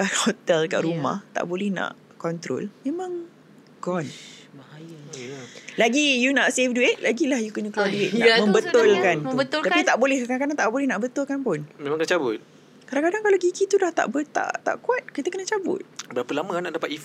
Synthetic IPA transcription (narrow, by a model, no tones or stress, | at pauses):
əhot̪ɛlka̰ʔɾuma̰ht̪a̰ʔbolɛhnã̰ʔ | kɔnt̪ɾo̰lmẽmãŋ | ɡɔn | j | laɡijunaʔsefduet̪̚lʔaɡilahjukənə̃kluwalduetmə̃mbət̪ʊlkanbət̪ʊlt̪apit̪aʔbolɛhaknãŋkadaŋt̪aʔbolɛhnaʔbət̪ʊlkanpʊnmẽmãŋkənət͡ʃabʊt̪̚ | kadaŋkadaŋkalaɡikit̪udaht̪a̰ʔbət̪a̰ʔt̪a̰ʔkuat̪̚kit̪əkənət͡ʃabʊ̰t̪̚bəɾapəlaməanaʔdapat̪if